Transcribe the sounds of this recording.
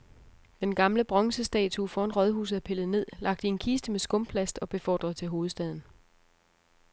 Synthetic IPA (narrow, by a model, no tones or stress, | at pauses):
d̥enɡ̥ɑ̈mləb̥ʁɒ̽ŋsəsd̥ɛ̰ːt͡sʰufɒ̽enʁɒð̞ˠɦṵːs̬̩ˠæpʰe̝ləð̩ˠne̝ð̞̰ˠlɑ̈ɡ̥̚d̥e̝nkʰiːsd̥əmesɡ̥ɔ̽mpʰlæsd̥ɒ̽b̥e̝fɒ̰ːd̥ʁɐðˠt͡sʰe̝lɦo̝ːð̩ˠsd̥ɛð̞̰ˠn̩